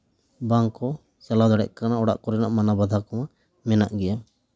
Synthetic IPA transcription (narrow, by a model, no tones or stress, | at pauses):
baŋkɔ | sɛlad̪ɔɽɛ̰ʔ̚kanaʔɔɽa̰ʔkɔɾɛnaʔmanabad̪ʱakɔma | mɛnaʔɡɛja